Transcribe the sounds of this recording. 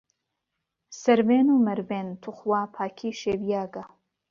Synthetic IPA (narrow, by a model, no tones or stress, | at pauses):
sɐɾveːnumɐɾveːnt̪ʰuχwaːpʰaːkʰiːʃeːvijaːɡa